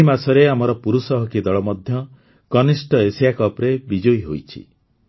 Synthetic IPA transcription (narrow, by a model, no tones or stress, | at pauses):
imasɔɾeamɔɾɔpuɾusɔɦɔkid̪ɔɭɔmɔd̪ʱjɔ | kɔnisʈɔesijakɔpɾebid͡ʒojɦo̰jt͡ʃʰḭ